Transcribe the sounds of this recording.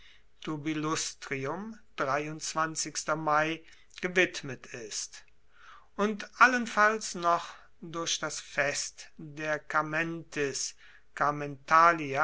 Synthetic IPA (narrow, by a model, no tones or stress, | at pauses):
tʰubilʊstʁ̥iʊmd̥ʁaɪʊnt͡sv̥ant͡sɪkstɐmaɪ | ɡ̥əvɪtmətʰɪst | ʔʊntʔalənfalsnɔχ | dʊɐʃd̥asfɛstdeːɐkamɛntʰɛs | kamɛntʰaːlia